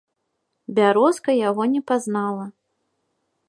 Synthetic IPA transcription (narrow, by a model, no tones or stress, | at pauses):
bʲaɾɔskɐjaɣɔnʲɛpaznalˠɐ